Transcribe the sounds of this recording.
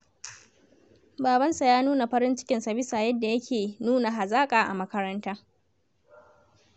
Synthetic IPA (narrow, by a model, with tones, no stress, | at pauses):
baː˨bɐ˦nsa˨jaː˦nuː˦na˨ɸɐ˦ɾɪ˦nt͡ʃɪ̥˦kʲɪ˨nsa˨bɪ˦saː˨jɐ˦dːa˨jɐ˦kʲʰeː˨nuː˦na˨ɦa˨zaː˦kʼaː˨ʔa̰˨mɐ˦kɐ˦ɾɐ˦ntaː˦